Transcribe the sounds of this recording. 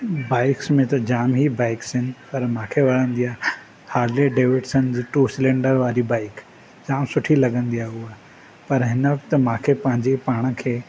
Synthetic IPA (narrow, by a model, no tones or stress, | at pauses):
baːɪksmẽt̪ɐd͡ʑaːmɦibaːɪksɦɪnɪpɐɾmãːkʰeʋɐɾə̃nd̪ijaː | haːɾleɖeːʋɪʈsənɪd͡ʑiːʈuːsɪlẽːɳɖəɾʋaːɾibaːɪk | d͡ʑaːmsʊʈʰilɐɡə̃nd̪iaːɦuaː | pɐɾɦɪnəʋɐkt̪əmãːkʰepɐ̃ɦɪ̃ɲd͡ʑepaːɽ̃əkʰeː